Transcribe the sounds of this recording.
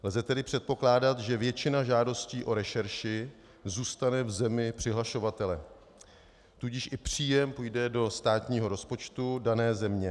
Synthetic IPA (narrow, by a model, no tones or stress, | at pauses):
lzɛt̪ɛdɪpr̥ɛt̪̚po̞klaːdat̪ʒɛvjɛt͡ʃɪnaʒaːdo̞sciːʔo̞ɾɛʃɛɾʃɪ | zuːst̪anɛvzɛmɪpr̥ɪɦlaʃo̞vat̪ɛlɛ | t̪uɟɪʃʔɪpr̝̥iːjɛmpujdɛdo̞st̪aːt̪ɲiːɦo̞ɾo̞spo̞t͡ʃt̪udanɛːzɛmɲɛ